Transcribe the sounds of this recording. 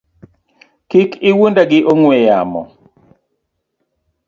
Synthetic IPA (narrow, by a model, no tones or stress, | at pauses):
kikɪwondaɡɪʔoŋwejamɔ̰